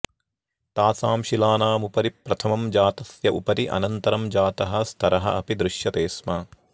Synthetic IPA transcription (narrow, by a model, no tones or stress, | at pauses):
t̪aːsaːmʃilaːnaːmupɐɾipɾɐt̪ʰɐmɐmd͡ʒaːt̪ɐsjɐʔupɐɾiʔɐ̰nɐnt̪ɐɾɐmd͡ʒaːt̪ɐɦɐst̪ʰɐɾɐɦɐ̰ɐpid̪ɾɪʃjɐt̪eːsmɐ